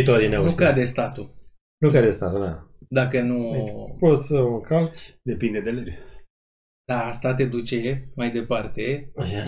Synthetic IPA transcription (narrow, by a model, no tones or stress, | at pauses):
it̪oad̪inenukad̪est̪at̪u | nukad̪est̪a̰t̪una̰d̪akənuipot̪sʲəuŋkald̪e̞pind̪ed̪eleb | d̪̥ast̪at̪e̞d̪ut͡ʃe̞majd̪e̞part̪e̞